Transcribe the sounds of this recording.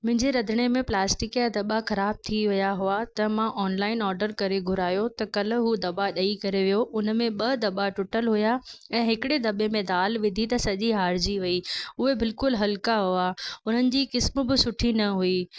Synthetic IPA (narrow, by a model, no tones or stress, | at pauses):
mʊ̃ɦɪ̃ɲd͡ʑeɾɐd̪ʱɪɽ̃emẽplaːsʈɪkad̪ɐɓaxɐɾaːb̚t̪ʰiʋɪjaɦʊat̪ɐmãʔɔːnlaːɪnɔːɾɖəɾkɐɾeɡʱʊɾaːjot̪ɐkɐl̤̆ɦud̪ɐbaɗɐikɐɾeʋijoʔʊn̆mẽɓɐd̪ɐɓaʈʊʈəlɦʊjaɛ̃ːɦɪkɪɽed̪ɐɓemẽd̪aːlʋɪd̪ʱit̪ɐsɐʄiɦaːɾd͡ʑiʋɐiʊɦebɪlkʊlɦɐlkaɦuaʊn̤ənɪ̆d͡ʑiːkɪsmʊ̆bɪsʊʈʰinɐɦui